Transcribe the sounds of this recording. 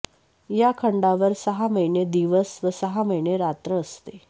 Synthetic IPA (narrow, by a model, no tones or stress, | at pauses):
jakʰəɳɖaʋəɾsəɦaməjɳed̪iʋəsʋəsəɦaməjɳeɾat̪ɾəːst̪e